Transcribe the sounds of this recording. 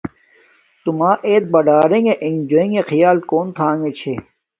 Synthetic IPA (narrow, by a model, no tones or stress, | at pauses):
t̪umãːʔeːt̪̚bɐɖaːɾẽŋeʔẽŋd͡ʒoĩŋexijaːlkoːnt̪ʰaːŋɡet͡ɕʰeː